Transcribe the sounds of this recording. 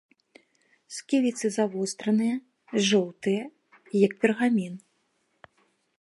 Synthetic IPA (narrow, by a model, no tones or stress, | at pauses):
skʲilʲit̪sɨzavɔst̪ɾɐnɨjɐ | ʐɔwt̪ɨjɐ | jɐk̚pʲɛrɣamʲin